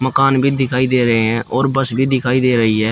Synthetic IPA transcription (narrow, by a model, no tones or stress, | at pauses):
məkaːnbʱiːd̪ɪkʰaːiːd̪eːɾəɦẽːɛ̃ːʔoːɾbəsbʱiːd̪ɪkʰaːiːd̪eːɾəɦiːɦɛː